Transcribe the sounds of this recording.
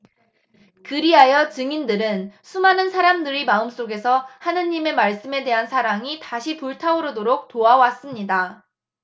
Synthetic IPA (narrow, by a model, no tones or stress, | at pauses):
kɯɾiɦajʌt͡ɕɯŋindɯɾɯnsʰumanɯnsʰaɾamdɯɾimaɯms͈oɡe̞sʰʌhanɯɲime̞maɭs͈ɯme̞de̞ɦansʰaɾaŋitaɕʰipuɭtʰaoɾodoɾok̚toawas͈ɯmɲida